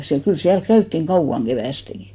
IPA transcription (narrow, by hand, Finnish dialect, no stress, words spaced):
siæl kyl siælk kæytːiŋ kɑuw̆ɑŋ ɡ̊eʋæˑsteŋɡ̊i